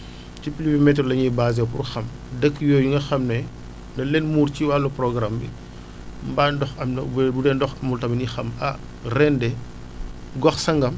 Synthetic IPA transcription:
cipilibimɛt̬ɾɔlɐɲibaːz̬ɛpṵrxɐm | dəkːjɔːjuŋɡɐxɐmnɛ | nɐlɛnmuːɾt͡ʃiwalːupɾɔɡɾambḭ | mbandɔxɐmnbbudɛndɔxɐmultɐminixɐma̰ | rɛndɛ | ɡɔxsɐŋɡɐm

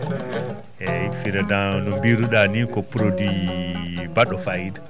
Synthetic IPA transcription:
ɛfiɾadanɔmbiɾuɗanikɔpːuɾodi | baɗɔfajda

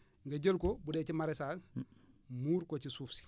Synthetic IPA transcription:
ŋɡɐɟəlkobudɛːcimaɾɛsaːs | muːɾkocisuːfsi̥

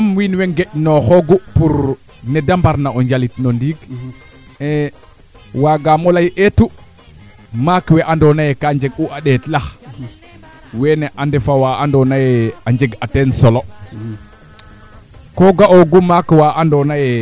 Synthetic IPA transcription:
amwinwɛŋɡɛʔnɔxɔɡupuɾ | nɛdambaɾnaɔɲd͡ʒalitnondiːɡ | ɛ | waɡamɔlajʔetu | makwɛʔandɔnajɛkaɲd͡ʒɛɡuʔaɗɛtlax | wɛnɛʔandɛfawaandɔnajɛaɲd͡ʒɛɡatɛnsɔlɔ | kɔɡaʔoɡumakwaʔandɔnajɛ

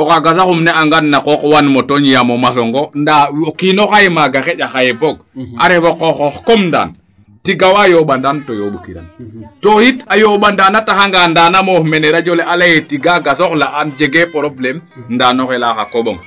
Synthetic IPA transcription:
okaɡasaxumneaŋɡanːakokwanmotoɲjamomas̬oŋɡondakinoxajemaɡaxeɟaxajeboɡ̚a̰ɾefokoxoxkomnda̰ːn | tiɡawajoɓandantojoɓukiɾa̰ntohitajoɓandanataxaŋɡandanamomeneɾad͡ʒoleʔalajetiɡaɡasoxlaʔand͡ʒeɡepoɾoplem | ndaːnoxelaxakoɓoŋ

